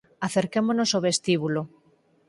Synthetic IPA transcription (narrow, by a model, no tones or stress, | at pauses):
aθeɾkemonosoβ̞est̪iβulo